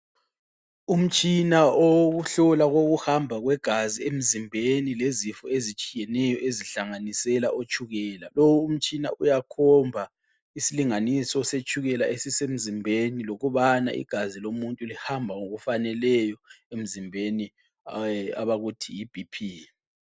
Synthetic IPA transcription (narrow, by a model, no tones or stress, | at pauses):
um̩t͡ʃʼinaoɣuɬɔlaɣoɣuhambʱaɣwɛɡ̥ʱaziem̩zimbʱenilezifɔezit͡ʃʼijɛnɛjɔʔeziɬaŋanisɛlaʔot͡ʃʰʼuɣɛːlalowuum̩t͡ʃʼina̰ʔujakʰɔmbʱa | isiliŋanisɔset͡ʃʼuɣɛlaʔesisem̩zimbʱeniloɣuβana̰ʔḭɡ̥ʱazilomuntʼulihambʱaŋoɣufanɛlɛjɔem̩zimbʱeni | a̰βaɣutʰijib̥ʱipʰi